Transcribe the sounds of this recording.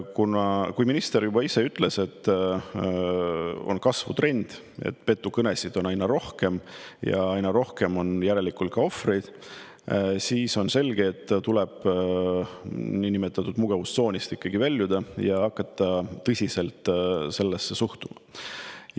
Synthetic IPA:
kunɑkujminist̪e̞ɾjubɑise̞yt̪ːˑle̞se̞t̪ː | o̞̰nkɑsvṵt̪ɾe̞nʲd̪̥ | ḛt̪ːˑpe̞t̪ːˑukɤnesid̪̥o̞nɑjnɑɾo̞hke̞mjɑ̰ɑjnɑɾo̞hke̞mo̞njæɾe̞likˑult̪kɑo̞frejd̪̥ | siːso̞nse̞lɡ̥e̞ːt̪ːt̪ulɛb̥ | niːnimet̪ːˑɑt̪ːˑud̪̥muɡ̥ɑvust̪so̞ːnʲist̪ikːɑɡ̥ivælʲːjud̪ɑjɑɑkːɑt̪ˑːɑt̪ɤsʲise̞lt̪se̞lːesːe̞suht̪umɑ

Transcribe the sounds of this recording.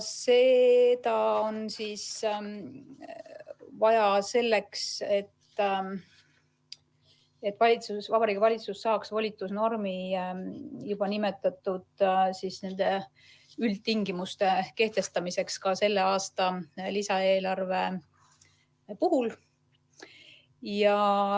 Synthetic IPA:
se̞t̪ɑonsiːs | vɑjɑse̞lːe̞kse̞t̪ː | et̪ːˑvɑlʲit̪susvɑbɑɾiːɡ̥ivɑlʲit̪susːɑːksvolʲit̪ːˑusno̞rmi | jub̥ɑnime̞t̪ːˑɑt̪ːˑud̪̥sisne̞nd̪̥e̞ | ylt̪̚t̪ːiŋɡimust̪e̞ke̞ht̪e̞st̪ɑmise̞kskɑse̞lːe̞ɑːst̪ɑlisɑeːlɑrve̞ | puɦul | jɑ

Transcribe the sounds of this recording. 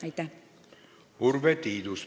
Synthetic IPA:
ɑjt̪ːæ | uɾvet̪iːd̪us

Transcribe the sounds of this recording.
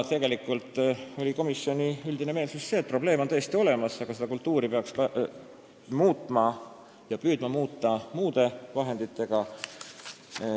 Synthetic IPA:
t̪e̞ɡe̞likːˑult̪ːˑo̞lʲiko̞misːio̞nʲiyld̪̥ine̞me̞ːlsusːe̞ːt̪̚pro̞b̥le̞ːmo̞nɤjest̪io̞le̞mɑsɑɡ̥ɑse̞d̪ɑkult̪ˑːuːɾipe̞ɑkskɑ | muːt̪ˑmɑ | jɑpyːd̪̥mɑmuːt̪ːˑɑmuːd̪e̞vɑɦe̞nd̪̥it̪ːe̞ɡ̥ɑ

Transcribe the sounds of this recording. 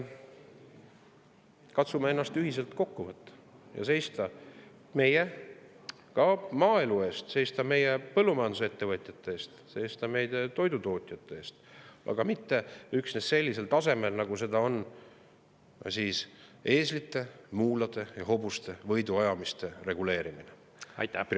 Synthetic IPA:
kɑt̪sumee̞nːɑst̪yhise̞lt̪ko̞kːuvɤt̪ːˑɑ̥ | jɑ̰se̞jst̪ɑ | me̞je | kɑmɑːelue̞ːst̪se̞jst̪ɑme̞jepɤlːumɑjɑnd̪usee̞t̪ːe̞vɤt̪ʲˑjɑt̪ːˑe̞eːst̪se̞jst̪ɑme̞jd̪̥e̞t̪o̞jd̪ut̪o̞ːt̪ʲˑjɑt̪ːˑe̞eːst̪ɑ̰ɡ̥ɑmit̪ːe̞yksnesse̞lʲːise̞lt̪ɑse̞me̞lnɑɡ̥use̞d̪̥ɑo̞n | siːse̞ːslit̪ːˑe̞muːlɑd̪̥e̞jɑɦo̞bust̪e̞vɤ̞jd̪uɑjɑmist̪e̞re̞ɡ̥ule̞ːɾimine | p

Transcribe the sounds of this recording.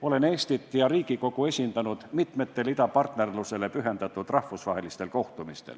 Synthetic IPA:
o̞le̞ne̞ːst̪it̪ːˑjɑɾiːɡiko̞kue̞sʲind̪̥ɑnud̪̥mit̪me̞t̪ːe̞lid̪ɑpɑrt̪ne̞rluse̞le̞pyɦe̞nd̪ɑt̪ːˑud̪rɑhfusvɑɦe̞list̪e̞lko̞ht̪umist̪el

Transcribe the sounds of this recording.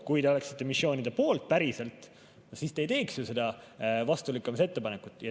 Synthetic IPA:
kujd̪eo̞le̞ksi̥t̪ːe̞misjo̞ːnʲid̪̥epo̞ːlt̪̚ˑpæɾise̞lt̪ˑ | siːst̪ejt̪e̞ːksjuse̞d̪ɑvɑst̪ulikːˑumise̞t̪ːe̞pɑnekut̪ːˑjɑ

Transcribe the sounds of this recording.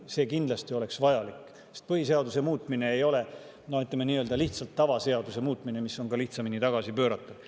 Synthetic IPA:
se̞ːkind̪lɑst̪io̞le̞ksvɑjɑlikː | sest̪̚pɤɦise̞ɑd̪use̞muːt̪ːˑmine̞ːjo̞le̞ | noyt̪lemeniːøld̪ɑliht̪sɑlt̪ːɑvɑse̞ɑd̪use̞muːt̪ːˑmine̞misːo̞nkɑliht̪sɑminit̪ɑɡ̥ɑsipø̞ːɾɑt̪ːˑud̥

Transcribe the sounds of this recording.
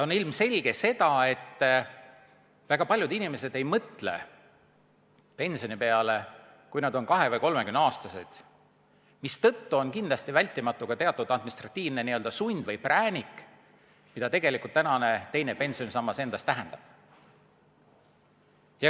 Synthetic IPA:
o̞nilmse̞lʲɡ̥e̞se̞t̪ɑe̞t̪ː | væɡ̥ɑpɑlʲjud̪inime̞se̞d̪e̞jmɤt̪le̞̰ | pe̞nʲsio̞nipe̞ɑle | kujnɑd̪̥o̞nkɑɦe̞vɤjko̞lmekymnɑːst̪ɑse̞d̪̥ | mist̪ɤ̞t̪ːuo̞nkind̪lɑst̪ivælʲt̪ˑːimɑt̪ːˑuɡ̥ɑt̪e̞ɑt̪ːˑud̪̥ɑd̪minist̪rɑt̪ˑːiːvne̞niø̞ld̪ɑsunʲd̪vɤjpræːnʲik | mid̪ɑt̪e̞ɡ̥e̞likult̪ːænɑne̞t̪e̞jne̞pe̞nsio̞nsɑmːɑse̞nd̪̥ɑst̪æɦɛnd̪̥ɑb̥̚ | jɑ

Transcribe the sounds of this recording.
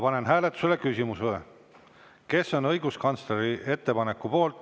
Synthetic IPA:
pɑne̞nɦæːlet̪ːˑu̥selekysʲimusve | ke̞sːo̞nɤ̞jɡ̥uskɑnt̪sle̞ɾie̞t̪ːe̞pɑne̞kːupo̞ːlt̪ːˑ

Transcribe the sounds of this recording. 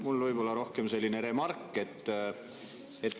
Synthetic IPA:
mulvɯjb̥o̞lːɑɾo̞hke̞mse̞lʲːineɾe̞mɑrkːˑe̞t̪ː | et̪ː

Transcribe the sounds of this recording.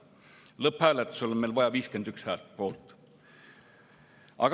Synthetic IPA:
lɤpːhæːlet̪ːˑu̥solonmelvɑjɑviːske̞nd̪̥ykshæːlt̪̚po̞ːlt̪ˑ | ʔɑ̰ɡ̥

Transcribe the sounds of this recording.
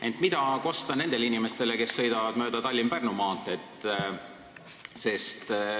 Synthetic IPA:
e̞nt̪mid̪̥ɑko̞st̪ɑne̞nd̪̥e̞linime̞st̪e̞leke̞sːɤ̞jd̪̥ɑvɑd̪̥mø̞ːd̪̥ɑt̪ɑlʲːimpærnumɑːt̪ːˑet̪ːˑ | se̞st̪

